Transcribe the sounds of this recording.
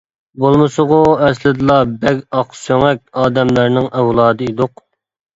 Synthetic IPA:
bolˠmɨsʊʁʊɛslɪd̪ɨlˠɑbɛkʲɑqsøŋɛkʲɑːd̪ɛmlæɾnɪŋɛwlˠɑːd̪ɨid̪ʊq

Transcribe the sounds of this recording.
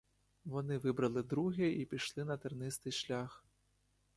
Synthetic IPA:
vɔnɨvɨbɾɐlˠɨd̪ɾuɣʲiʔipʲiʂlʲˠinɐt̪ɨrnɨst̪ɨʂlʲax

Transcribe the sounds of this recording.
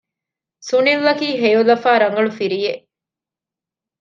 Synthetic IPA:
sunilːɐkiːɦejulɐfaːɾɐŋɡɐɭufiɾijeʔ

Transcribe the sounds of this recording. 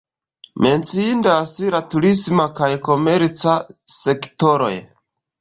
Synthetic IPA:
me̞nt͡siindasiɾatuɾismakajko̞me̞ɾt͡sase̞kto̞ɾo̞̰j

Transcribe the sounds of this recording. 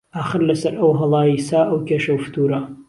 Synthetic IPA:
aːxəɾlɐsɐɾɐwɦɐlˠɑːjisaːʔɐwkʲʰeʃɐwft̪ʰuɾa

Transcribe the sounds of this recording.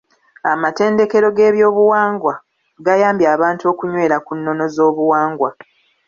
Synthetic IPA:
amate̞ːnde̞ke̞ɾo̞ɡe̞ːβjo̞ːβuwaːŋɡwa | ɡajaːmbjaːβaːntuo̞ːkuɲwe̞ːɾakunːo̞no̞zo̞ːβuwaːŋɡwa

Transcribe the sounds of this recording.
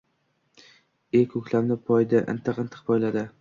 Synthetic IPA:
ekʲʰɵkʲlamnɪpʰɒjd̪ɪʔɪ̰nt̪ʰɨqɨnt̪ʰɨ̥qpʰɒjlad̪ɪ

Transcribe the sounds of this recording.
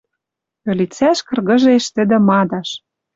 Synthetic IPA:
ø̆lʲit͡sæʃkɤ̆rɣɤ̆ʒeʃt̪ɘ̆d̪ɘ̆mɑd̪ɑʃ

